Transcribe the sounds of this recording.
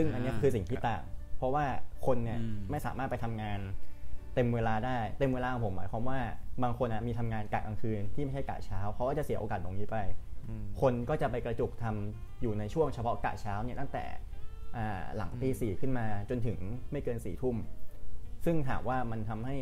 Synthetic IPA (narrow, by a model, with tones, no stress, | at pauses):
sɯ˥˩ŋʔa˧nːi˦˥kʰɯː˧si˨˩ŋt̪ʰiː˥˩t̪a̰ː˨˩ŋpʰɾɔ˦˥waː˥˩kʰo˧nːi˦˥˩ɐma˥˩jsa̰ː˩˦maː˥˩t̪̚pa˧jt̪ʰa˧mŋaː˧nt̪e˧mweː˧laː˧daː˥˩jt̪e˧mweː˧laː˧˩pʰo˩˦ma̰ː˩˦jkʰa˧˦mwaː˥˩baː˧ŋkʰo˧nʔa˨˩miː˧t̪ʰa˧mŋaː˧nka̰ː˨˩k̚ka˧ŋkʰɯː˧nt̪ʰiː˥˩ma˥˩jha˥˩ka̰ː˨˩t͡ɕʰaː˦˥wkʰa˦˥wkɔː˥˩t͡ɕa˨˩si˩˦ʔoː˧kaː˨˩t̪̚lo˧ŋniː˦˥pa˧jkʰo˧nkɔː˥˩t͡ɕa˨˩pa˧jkɾa˧t͡ɕu˨˩k̚t̪ʰa˧m | juː˨˩na˧jt͡ɕʰu˥˩əŋt͡ɕʰa˧pʰɔ˦˥ka̰ː˨˩t͡ɕʰaː˦˥wni˥˩ɐt̪a˥˩ŋt̪ɛ̰ː˨˩ʔa̰ː˨˩la̰˩˦ŋp̪iː˧siː˨˩kʰɯ˥˩nmaː˧t͡ɕo˧nt̪ʰɯ˩˦ŋma˥˩jkɤː˧nsḭː˨˩t̪ʰu˥˩m | sɯ˥˩ŋt̪ʰaː˨˦mwaː˥˩ma˧nt̪ʰa˧mha˥˩j